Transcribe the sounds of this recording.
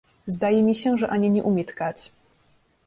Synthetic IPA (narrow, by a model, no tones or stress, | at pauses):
zd̪ajɛmʲiɕɛʐɛʔaɲɛɲɛʔumʲjɛt̪kat͡ɕ